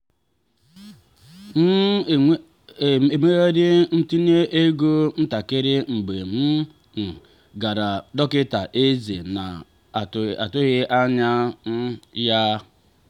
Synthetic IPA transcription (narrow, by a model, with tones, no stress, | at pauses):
n̩˦˨ | e˨me˦ɣe˦dɪ˦n̩˦ti˦ne˦ʔe˦ɡo˦n̩˦ta˨kɪ˦ɾɪ˦ŋ͡m̩˨ɡ͡be˨m̩˦ | n̩˨ | ɡa˨ɾa˨dɔ˦kɪ˦ta˨ʔe˦ze˨na˨ | a˨tʊ˦ɣɪ˦ʔa˦ɲa˦n̩˦ja˦